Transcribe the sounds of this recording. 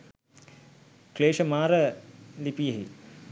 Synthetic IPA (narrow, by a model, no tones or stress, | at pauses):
kleːʃəmaːɾəlipijəɦḭ